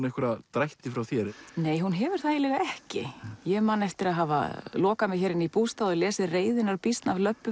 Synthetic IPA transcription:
nɛhkʏɾat̪ɾajht̪ɪfɾawθjɛɾneːjɦunɦɛvʏɾ̥θajɪlɛɣaɛhcɪ̰jɛmaːnɛft̪ɪɾaðɦaːva̰lɔːkamɪðçɛːɾɪnipuːst̪aðɔlɛːsɪðreːjðɪnaɾpist̪navlœpːʏ

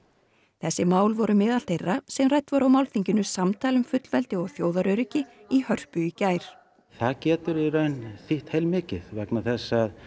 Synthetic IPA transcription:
θɛsːɪmaːwlvɔɾʏmɛːðal̥t̪ʰejrːasɛmrajt̪vaɾawmawlθiɲcʏnʏsamt̪ʰaːlʏmfʏt̪lvɛlt̪ɪɔɣθjoːwðaɾœɥɾɪcɪihœr̥pʏicaːjɾ̥ | θaðcɛːt̪ʏɾiɾeɥnθiht̪hejlmɪːcɪðvaknaθɛsːað

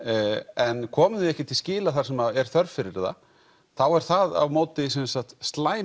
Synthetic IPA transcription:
ɛnkʰɔːmɪðɪɛhcɪt̪ʰɪlscɪːlaθḁsɛmaɛɾ̥θœɾfɪɾɪɪɾða̰ | θawɛɾ̥θaða̰vmoːwt̪ɪs̬ɛnsat̪st̪laːj

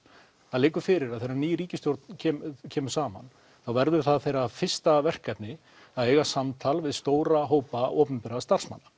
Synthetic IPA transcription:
aðleːkʏfɪɾɪɾaðθejɾaniːjɾiːcɪst̪jowɾt̪ncʰɛːmcʰɛːmʏɾ̥saːma̰n | θawvɛɾðʏɾ̥θaðθejɾafɪr̥st̪avɛr̥kːat̪nɪ | aðeːjɣasamt̪ʰalvɪðst̪oːwɾaɦoːwpaʔɔːwpʏmpɛɾast̪ar̥sma̰nːa

